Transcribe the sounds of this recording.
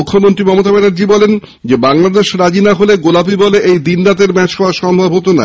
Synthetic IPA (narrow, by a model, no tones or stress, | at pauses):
ukʰːomont̪ɾimɔmot̪abɛnaɾd͡ʑibɔlen | d͡ʑebaŋlad̪eʃɾad͡ʑinaɦoleɡolapibɔleʔejd̪inɾat̪̬eɾmɛt͡ɕkʰɔaʃɔmbʱabot̪̬ona̰